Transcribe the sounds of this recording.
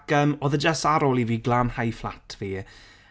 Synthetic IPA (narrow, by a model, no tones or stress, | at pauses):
kəmoːðəd͡ʒasaɾoːlˠiviːɡlˠaːnhajflˠa̰tʰv̥iː